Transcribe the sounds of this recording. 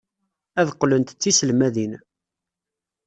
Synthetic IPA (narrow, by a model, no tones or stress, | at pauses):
æðqːlənt̪t͡sːisəlmæðin